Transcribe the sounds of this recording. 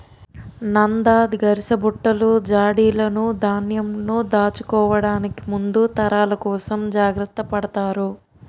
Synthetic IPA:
nɐnd̪aːd̪ɡɐɾisɐbuʈːɐlud͡ʒaːɽiːlɐnud̪ʱaːnjɐmnud̪aːt͡ʃu̥kɔːʋɐɽaːniki̥mund̪ut̪ɐɾaːlɐkɔːsɐmd͡ʒaːɡɾɐt̪ːɐpɐɽɐt̪aːɾu

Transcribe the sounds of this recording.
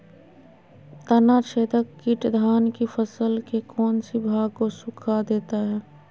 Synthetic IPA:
t̪ənat͡ʃʰeːd̪əkːɪʈd̪ʱaːnkifʰəsəlkekɔːnsibʱaːɡ̚kosʊkʰad̪eːt̪aɦɛː

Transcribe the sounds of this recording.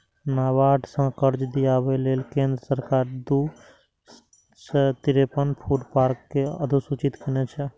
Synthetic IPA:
naʋaʈʰsə̃kəɾd͡ʒd̪ijabelelkẽnd̪ɾəsəɾkaːɾd̪u | set̪iɾepənpʰuɖpaɾkːeəd̪ʱusut͡ʃit̪kenet͡ʃʰɛ

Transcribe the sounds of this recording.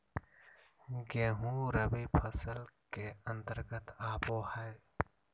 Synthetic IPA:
ɡeːɦũɾəbiːpʰɐsəlkeənt̪əɾɡət̪aːpoːhɐj

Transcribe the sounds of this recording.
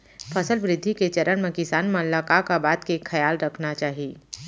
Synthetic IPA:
fʰɐsəlʋɾɪd̪ʱːiket͡ʃɐɾəɽmẽkɪsaːnmɐlːakakabaːt̪kekʰːɐjaːlɾɐkʰnat͡ʃaːɦieː

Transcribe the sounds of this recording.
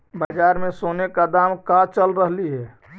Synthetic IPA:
bad͡ʒaːɾmẽsoːnekad̪aːmkat͡ʃəlɾəɦliɦɛː

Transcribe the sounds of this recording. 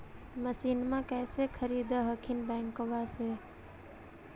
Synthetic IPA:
məsinmãkɛsekʰəɾid̪əɦəkʰinbɛɪŋkobase

